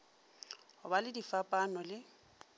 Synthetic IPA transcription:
hʊbalɪdifapʼanɔlɪ

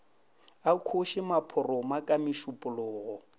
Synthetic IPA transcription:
akʰoʃɪmapʰʊrɔmakʼamɪʃʊpʼʊlʊːɣɔ

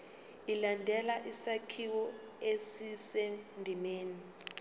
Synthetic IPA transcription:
ilandʱɛlaʔisakʰiwɔ | esisendʱimeːni

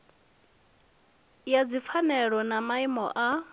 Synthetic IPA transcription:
jad͡zip̪fʰanɛɺɔnamaimɔ̰ʔa

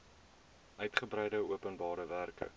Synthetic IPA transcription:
ʔœɥtχəbɾɛjdəuəpənbɑːɾəværkə̰

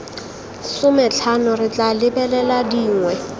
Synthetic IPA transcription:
sʊmɛt͡ɬʰanʊrɪt͡ɬʼalɪbɛlɛladiːŋwɛ

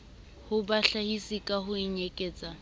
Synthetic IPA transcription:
hʊbaɬahisikʼahʊiɲekʼɛːt͡sʼa

